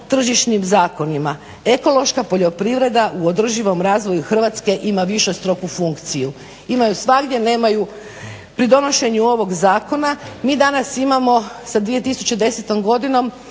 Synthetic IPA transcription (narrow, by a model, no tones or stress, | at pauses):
t̪r̩ʒiʃnimzaːko̞nima | e̞ko̞lˠo̞ʃkapo̞ʎo̞pɾiʋɾe̞d̪aʔuod̪r̩ʒiʋo̞mɾaːzʋo̞juxr̩ʋat̪ske̞ʔimaʋiʃest̪ɾo̞kufuŋkt̪siju | imajusʋaɡd̪je̞ne̞ːmaju | pɾid̪o̞no̞ʃe̞ɲuo̞ʋo̞ɡzaːko̞namiːd̪anasimamo̞sad̪ʋije̞t̪isut͡ɕed̪e̞se̞t̪o̞mɡo̞d̪ino̞m